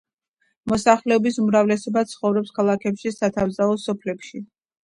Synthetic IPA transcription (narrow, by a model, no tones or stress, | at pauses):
mɔsaχlɛɔbisumɾavlɛsɔbat̪sʰχɔvɾɔpskʰalˠakʰɛpʃisat̪ʰavzaɔsɔpʰlɛpʃi